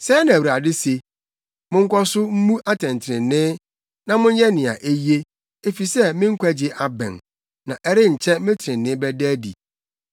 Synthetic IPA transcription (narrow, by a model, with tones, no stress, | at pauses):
sɛ˦nã˨wɾa˨dɪ˦se˨ | mʊ̃˦ŋ̩˦kʷʰɔ˦sʊ˦m̩˦mũ˦ʔa˦tʰɛ̃˨n˨tʰɪ˨ɾɪ̃˨nːɪ̃˦ | nã˨mʊ̃˦n˦jɛ˦nɪ̃˨a̰˨ʔe˦ji˦e˦ | e˦fi˨sɛ˦mɪ̃˦ŋ̩˦kʷæ˦d͡ʑɪ˨ʔa˨bɛ̰̃˨n | nã˨ʔɛ˦ɾɪ˦ɲ̩˨t͡ɕʰɛ˦mɪ̃˦tʰɪ˨ɾɪ̃˨nːɪ̃˦bɛ˦dæ˦dḭ˨